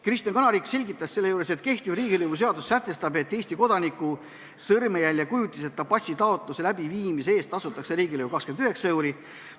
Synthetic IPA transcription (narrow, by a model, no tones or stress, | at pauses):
krist̪iɑnkɑnɑɾikse̞lʲɡit̪ːˑɑsse̞lːejuːɾe̞set̪ke̞ht̪ivriːɡilɯjvus̬e̞ɑd̪usːæt̪ːˑe̞st̪ɑbe̞t̪ːe̞ːsʲt̪iko̞d̪ɑnikːu | sɤrmejælʲːjɑkujut̪ʲːˑise̞t̪ːɑpɑsʲit̪ɑo̞t̪ˑluse̞læbiviːmisee̞ːst̪ːˑɑsut̪ːˑɑkse̞ɾiːɡilɯvukɑkskend̪yɦe̞ksɑjwɾi